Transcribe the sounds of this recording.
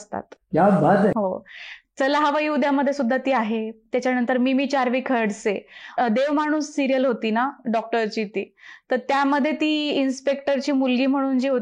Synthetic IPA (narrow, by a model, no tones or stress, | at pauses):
əst̪a̰t̪kjabʱad͡zeɦot͡səlaɦaʋaiːud̪jaməd̪ʱːjesud̪ʱːat̪iːaɦet̪jat͡ɕjanənt̪əɾmiːmiːt͡ɕaɾʋiːkʰəɽsed̪eʋmaɽ̃uːsːiɾijəlɦot̪iːnaɖɔk̚ʈəɾt͡ɕiːt̪iːt̪əɾt̪jaməd̪ʱːjet̪iːinspek̚ʈəɾt͡ɕiːmulɡiːm̤əɽ̃uːnd͡ʑiːɦo